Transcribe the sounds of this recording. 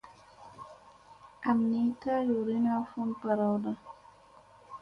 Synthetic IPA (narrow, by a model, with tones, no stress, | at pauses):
a˨mni˦ka˦ju˨ɾi˦na˦fu˦npa˨ɾa˨wda˦